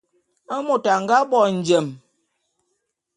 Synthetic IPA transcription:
a˦mo˨ta˨ŋ˨ɡa˦bɔ˨n̩˨d͡ʒɛ˨m

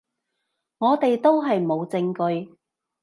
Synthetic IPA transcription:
ŋɔː˨˧t̪e˨jt̪o˥wɦɐ˨jmo˨˧wt͡sɪ˧ŋkɵ˧ɥ

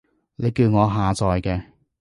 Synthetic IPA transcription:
ne˨˧jkiː˧wŋɔː˨˧ɦaː˨t͡sɔː˨jkɛː˧

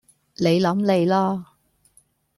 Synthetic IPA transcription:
le˨˧jlɐ˨˧˥mle˨˧jlɔː˥

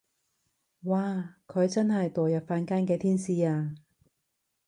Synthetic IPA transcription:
waː˨˩kʰɵ˨˧ɥt͡sɐ˥nɦɐ˨jt̪ɔː˨˩jɐ˨p̚faː˧nkaː˥nkɛː˧t̪ʰiː˥nsiː˧aː˧

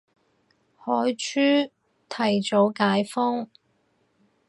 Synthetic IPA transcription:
hɔː˨˥jt͡ʃʰyː˥ | t̪ʰɐ˨˩jt͡so˨˧˥wkaː˨˥jfɔ˥ŋ

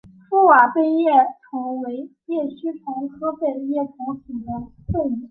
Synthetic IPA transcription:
fu˥˩wa˨˩pe˥ɪjɛ˥˩ʈ͡ʂʰʊ˧˥ŋwe˧˥ɪjɛ˥˩ɕy˥ʈ͡ʂʰʊ˧˥ŋxʰɤ˥pe˥˩d̪ə˧˦jɛ˥˩ʈ͡ʂʰʊ˧˥ŋt͡su˨˩d̪ə˧ | tʰwe˥˩ɪmi˨˩˦

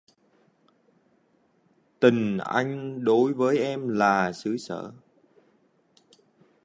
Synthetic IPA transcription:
t̪ï˨˩ŋ̟ʔa̰˧jŋ̟ɗo˨˦jvəː˨˦jʔɛ˧mlaː˨˩sɨ˨˦sə̰ː˧˩˨

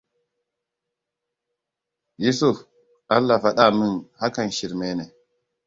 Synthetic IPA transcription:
ji˦su˦f | a˦lːa˨fa˨ɗa˦˨mi˦nha˦ka˨nʃi˨ɾme˦ne˨

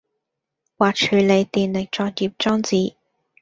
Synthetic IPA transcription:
waː˨˩k̚t͡ʃʰyː˨˩le˨˧jt̪iː˨nlɪ˨k̚t͡ʃɔː˧k̚jiː˨p̚t͡ʃɔː˥ŋt͡siː˨˧

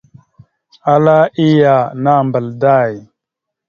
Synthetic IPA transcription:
a˦la˦i˦ja˨na˦˨mbə˨lda˦˨j

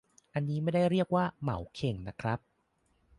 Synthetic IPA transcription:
ʔa˧nːiː˦˥ma˥˩jda˥˩jɾi˥˩ək̚waː˥˩ma̰˩˦wkʰe˨˩ŋna˦˥kʰɾa˦˥p̚

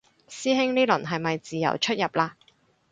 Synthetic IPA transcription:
siː˥ɦɪ˥ŋniː˥lɵ̰˨˩nɦɐ˨jmɐ˨jt͡siː˨jɐ̰˨˩wt͡ʃʰɵ˥t̚jɐ˨p̚laː˧

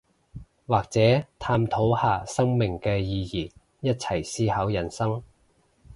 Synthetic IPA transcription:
waː˨k̚t͡sɛː˨˥t̪ʰaː˧mt̪ʰo˨˥whaː˨sɐ˥ŋmɪ˨˩ŋkɛː˧jiː˧jiː˨˩ | jɐ˥t̚t͡sʰɐ˨˩jsiː˥hɐ˨˥wjɐ˨˩nsɐ˥ŋ

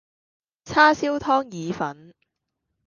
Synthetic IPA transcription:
t͡sʰaː˥siː˥wt̪ʰɔː˥ŋjiː˨˧fɐ˨˥n

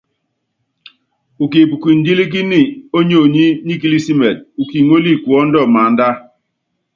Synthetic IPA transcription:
u˨ki˨pu˨kʷi˨n̩˦di˦li˦k̬i˦ni˦o˦ɲo˦˨ɲi˦ni˦ki˦li˦si˦mɛ˨t̚u˨ki˨ŋo˦li˦˨ku˨ɔ˦n̩˦dɔ˦˨ma˨˦n̩˦da˦

